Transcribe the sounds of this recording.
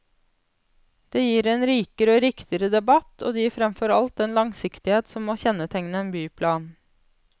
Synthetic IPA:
d̪̥eːjiːɾeːnɾiːkəɾoːɾɪkt̪ɪəɾəd̪ɛbɑt̪ʰoːd̪eːjiːɾfɾɛmfɔɾɑlt̪̚ɛnlɑŋsɪkt̪ɪheːt̪sɔmmoːçɛnət̪ʰɛŋnəeːnbyːpʰlɑːn

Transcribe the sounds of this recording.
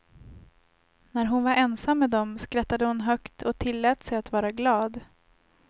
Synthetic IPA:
næɾɦʊnvaɾʔɛnsamːɛd̪ɔmskɾat̪ːad̪əhʊnɦœkt̪ʰɔt̪ʰɪlːɛːt̪sɛjat̪vɑːɾaɡlɑːd̪

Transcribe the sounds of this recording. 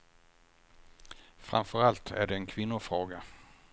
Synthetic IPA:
fɾa̰mfœɾalt̪ʰæ̰ɖɛːnkʰvɪnːʊfɾoːɡa

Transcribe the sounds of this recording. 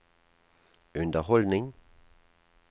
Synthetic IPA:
ʉnd̪əʁhɔld̪nɪŋ

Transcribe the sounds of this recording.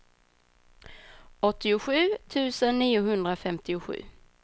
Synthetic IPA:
ɔt̪ːɪʊɧʉ̟ːt̪ʰʉ̟ːsənːiːʊɦɵnd̪ɾafɛmt̪ɪʊɧʉ̟̰ː

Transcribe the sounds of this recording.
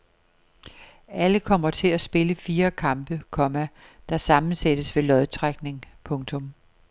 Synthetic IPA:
ʔæləkʰɒ̽m̰ɐt͡sʰe̝læsb̥e̝ləfiːɐkʰɑ̈mb̥əkʰɒ̽mæ | d̥ɑ̈sɑ̈mn̩sed̥əsʋe̝lɒ̽ðˠt͡sʰʁaɡ̥ne̝ŋpʰɔ̽ŋt͡sʰɔ̽m

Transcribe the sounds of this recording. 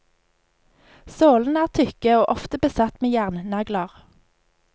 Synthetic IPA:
soːln̩æːʁt̪ʰʏkəoːʔɔft̪əbəsɑt̪meːjæʁnnɑɡlɑʁ

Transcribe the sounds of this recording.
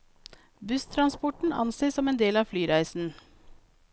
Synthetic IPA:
bʉst̪ʰɾɑnspɔʈɳ̩ɑ̰nseːsɔmeːnd̪eːlɑːʋflyːɾæɪsn̩

